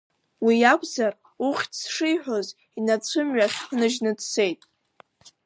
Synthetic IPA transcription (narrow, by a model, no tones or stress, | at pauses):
wijakʷʰʼzar | uχʲtsʂɨjħʷᶣoz | inat͡sʷʰɨmɥaχχnɨʒnɨdse̞jtʼ